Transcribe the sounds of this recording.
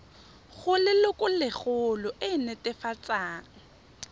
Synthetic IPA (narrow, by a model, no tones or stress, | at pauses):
χʊlɪlʊkʼʊlɪχʊlɔʔɪnɛtʼɛfat͡sʼaːŋ̩